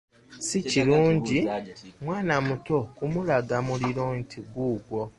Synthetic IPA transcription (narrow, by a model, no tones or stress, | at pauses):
siciluːɲɟimwaːnamuto̞kumulaɡamuliɾontʰiɡuːɡwo